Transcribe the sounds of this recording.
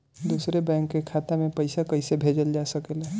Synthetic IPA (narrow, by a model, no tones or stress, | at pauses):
d̪usɾebɛ̃ːŋkːekʰat̪amẽpəɪsakəɪsebʱed͡ʒəld͡ʒasəkəlɦɛ